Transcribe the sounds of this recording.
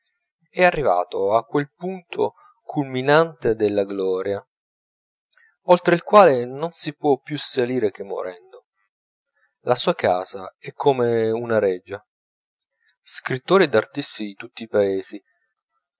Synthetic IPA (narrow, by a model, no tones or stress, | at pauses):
ɛarːiva̰ːt̪oakːwelpunt̪ʰo̰ | kʰulminant̪ed̪elːaɡlɔːɾja | olt̪ɾeilkwaːlenonsipwɔpːjusaliːɾek̟emːo̰ɾɛnd̪o | lasuːaka̰ːzaɛkʰːomeunaɾɛd͡ʒːa | skɾit̪ːoːɾid̪art̪ist̪id̪it̪ut̪ːiːpaeːzi